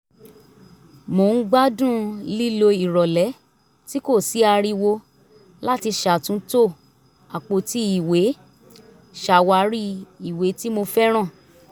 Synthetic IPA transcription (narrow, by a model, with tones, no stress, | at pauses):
mo˨˦˧n̩˦ɡ͡ba˦dũ˦˨li˦lo˧i˨ɾɔ˨lɛ˨˦ | ti˦ko˦˨si˨˦a˧ɾi˧wo˧ | la˦ti˧ʃa˨tũ˨˦to˦˨ | a˨k͡po˨ti˨˦i˨we˨˦ | ʃa˨wa˧˦ɾi˦i˨we˨˦ti˦mo˧fɛ˦ɾ̃ã˦˨